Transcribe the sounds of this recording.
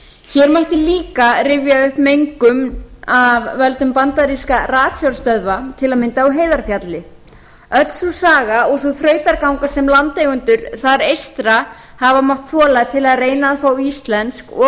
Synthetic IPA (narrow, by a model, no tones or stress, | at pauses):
çɛɾmajht̪ɪliːkarɪvjaʏhpmejŋkʏmavːɛlt̪ʏmpant̪aɾiskaraːt̪sjɔɾ̥st̪œðvat̪ʰɪlaðmɪnt̪aawɦeːjðaɾ̥fjat̪lɪ | œt̪l̥susaːɣaɔɣsɔθɾœːɥt̪aɾkawŋkasɛmlant̪ejɣʏnt̪ʏɾ̥θaɾejst̪ɾa | havamawht̪θɔːlat̪ʰɪlaðreːjnaːðfaːwist̪lɛnskɔ